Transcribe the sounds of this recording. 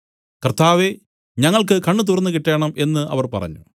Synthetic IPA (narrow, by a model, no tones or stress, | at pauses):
kɐrt̪aːʋe | ɲɐŋːɐɭk̬ɨkɐɳːɨt̪̬urɐnːɨkiʈːe̞ːɳɐmʔe̞nːɨʔɐ̰ʋɐrpɐ̰rɐ̰ɲːu